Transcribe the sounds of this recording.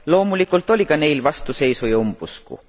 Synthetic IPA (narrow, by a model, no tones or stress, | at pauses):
lo̞ːmulikːˑult̪ˑo̞lʲikɑne̞jlvɑst̪use̞jsujumb̥uskṵ